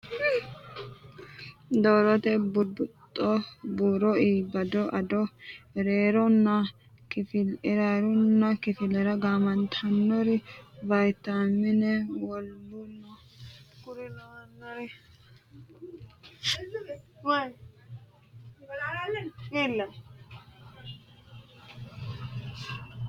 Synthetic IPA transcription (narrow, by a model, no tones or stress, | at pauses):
d̪ɔːɾɔt̪ɛbʊbʊt̪ʼːɔbuːɾɔiːbɐd̪ɔʔɐd̪ɔɾeːɾɔnːɐ | kɪfɪlɾaɾɔnːɐkɪfɪlɛɾɐɡaːmɐnt̪ʰɐnːɔɾɪvɐjt̪ːamɪnɛwɔlbʊnːɐ | kʊɾɪlnːɔɾ | w | ilːɐ